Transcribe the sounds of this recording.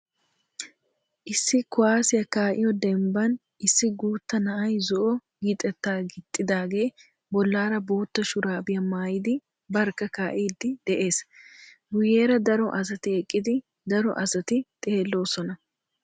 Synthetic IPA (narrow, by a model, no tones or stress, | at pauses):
ʔɪsːɪkʊwaːsɪjɐkaːʔɪjɔd̪ɛmbɐn | ɪsːɪɡuːt̪ːɐnɐʔɐjzɔʔɔ | ɡɪt̪ʼɛt̪ːaːɡɪt̪ʼːɪd̪aːɡe̞ː | bɔlːaːɾɐbo̞ːt̪ːɐʃʊɾaːbɪjɐmaːjɪd̪ɪ | bɐɾkɐkaːʔiːd̪ɪd̪̥ɛʔe̞ːsɡʊjːe̞ːɾɐd̪ɐɾɔʔɐsɐt̪ɪɛkʼːɪd̪ɪ | d̪ɐɾɔ̰ʔɐsɐt̪ɪt̪ʼe̞ːlːo̞ːsɔnɐ